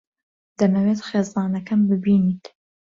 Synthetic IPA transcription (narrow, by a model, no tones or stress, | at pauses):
d̪ɐnɐwet̪χeːzɑːnɐkɐmbɨbiːniːt̪